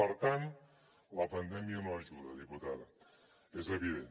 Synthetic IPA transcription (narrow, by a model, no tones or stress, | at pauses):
ɐɾt̪an | lɐpɐnd̪ɛmjɐnoɐʒuðɐðiput̪aðɐ | ezeβiðen